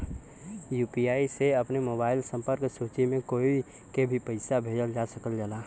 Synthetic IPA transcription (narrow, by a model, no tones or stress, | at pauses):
juːpiaːiseəpnemoːbaːɪlsə̃mpəɾksut͡ʃimẽkoːi | kebʱipəɪsabʱeːd͡ʒəld͡ʒasəkəld͡ʒalaː